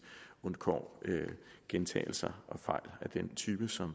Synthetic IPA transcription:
on̥kʰɒ̰ːøɡ̥ent͡sʰɛ̰ːɪl̩sɐʔɒ̽fɑ̈ɪ̰læd̥ent͡sʰyːb̥əsɒ̽m

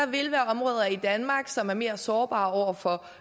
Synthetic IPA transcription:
ɑ̈ʋe̝lʋæːɐɒ̽mʁɔːðˠɐid̥ænmɑ̈ːɡ̥sɒ̽mæɐme̝ːɐsɒːb̥ɑ̰̈ːɒʊ̰ɐfɒ̽

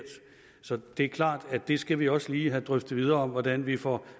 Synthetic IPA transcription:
d̥ | sɒ̽d̥e̝æɐkʰlɑ̰̈ːd̥æd̥e̝sɡ̥æʋiɒ̽səliːɦæd̥ʁœfd̥ð̩ˠʋið̞ˠɐːɒ̽mʋɒd̥ænʋifɒ

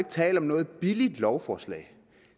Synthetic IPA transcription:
eɡ̥ət͡sʰɛ̰ːld̥ɒ̽mnɔ̽ːð̞̩ˠb̥ilid̥lɒʊfɒːslɛ̰ɪ

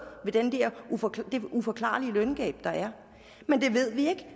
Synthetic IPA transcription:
ʋe̝d̥end̥eɐufɒd̥e̝ufɒ̽kʰlɑ̰̈ːliəlœnɡ̥ɛ̰ːb̥d̥ɑ̈æɐ | mend̥e̝ʋe̝ð̞̰ˠʋie̝ɡ̥

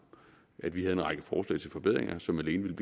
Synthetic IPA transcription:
ʔæd̥ʋiɦæð̞̩ˠe̝nʁɑ̈ɡ̥əfɒːslɛ̰ːɪt͡sʰe̝lfɒ̽b̥eð̞̰ˠʁeŋʔɐsɒ̽mæle̝ːnəʋe̝ləb̥

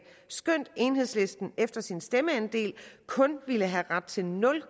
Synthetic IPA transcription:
sɡ̥øn̰d̥e̝ːnɦe̝ð̞̰ˠsle̝sd̥n̩efd̥ɐsinsd̥eməænd̥e̝̰ːlkʰɔ̽nʋiləɦæʁad̥̚t͡sʰe̝lnɔ̽l

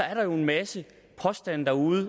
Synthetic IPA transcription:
ɒ̽æɐɾ̥ɑ̈jo̝e̝nmæsə | pʰɒ̽sd̥æn̰d̥ɑ̈uːð̩ˠə

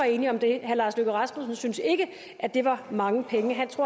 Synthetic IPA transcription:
ɑ̈e̝ːniɒ̽md̥e̝hæɐlɑ̈ːsløɡ̥əʁɑ̈smosn̩synse̝ɡ̥ə | ʔæd̥e̝ʋɑ̈mɑ̈ŋəpʰeŋəɦænt͡sʰʁo̝ɐ̰

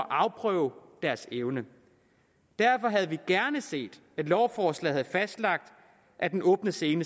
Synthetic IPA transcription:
ʔɑ̈ʊpʰʁœʊd̥æɐseʊnə | d̥æɐfɒ̽ɦæð̞̩ˠʋiɡ̥æɐnəse̝̰ːd̥ | æ̥lɒʊfɒːslɛ̰ɪhæð̩ˠfæsd̥lɑ̈ɡ̥̚d̥ | ʔæd̥enʔɔ̽ːb̥nəse̝ːnə

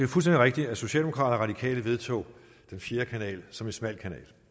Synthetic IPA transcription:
efulstendiʁeɡ̥̚d̥iæso̝ɕɛ̰ːld̥emokʰʁɑ̈ːd̥ɐʁɑ̈ɾ̥ikʰɛ̰ːləʋe̝ð̞ˠt͡sʰo̝̰ː | d̥enfje̝ːɐkʰænɛ̰ːlsɒ̽me̝nsmæl̰kʰænɛ̰ːl

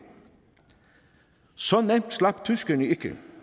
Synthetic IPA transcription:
sɔnɛmt̪slɑpt̪ʰʉskəɳəɪkə̰

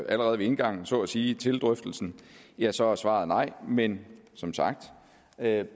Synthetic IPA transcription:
ʔæləʁɛːðˠʋee̝nɡ̥ɑ̈ŋ̰n̩sɒ̰̽ːɒsiːt͡sʰe̝ld̥ʁœfd̥l̩sn̩jæsɒ̽sʋɑ̈ːð̩ˠnɑ̈ɪ̰mensɒ̽msɑ̈ɡ̥̚d̥

